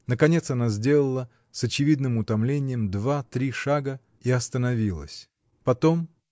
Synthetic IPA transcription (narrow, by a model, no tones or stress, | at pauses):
nəkɐnʲe̞t̪sɐnazʲdʲe̞lˠəlˠə | sɐt͡ɕɪvʲid̪nɨmʊt̪ɐmlʲenʲɪjəmd̪vat̪ɾʲiʂaɡə | iɐst̪ənɐvʲilˠə̰sʲ | pɐt̪o̞m